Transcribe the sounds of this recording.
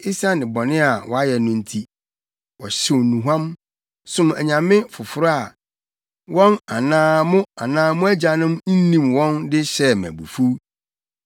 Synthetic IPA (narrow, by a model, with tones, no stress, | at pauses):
i˦sã˦nɪ̃˨bɔ˨nɪ̃˦a˨wʔɔ˨a˦jɛ˨nʊ̃˦n̩˦tʰi˦ | wɔ˨ɕɪ˦wnũ˨ɦã˦m | sʊ̃˦mæ̰˨ɲã˨mɪ̃˦fʊ˨fʊ˨ɾa˨ | wɔ̃˦na˨nãː˦mʊ̃˦a˨nãː˦mʊ̃˦æ˦d͡ʑa˨nʊ̃˦mn̩˦nĩ˨mwɔ̃˦ndɪ˦ɕɛ˦mæ̰̃˨bṵ˨fu˦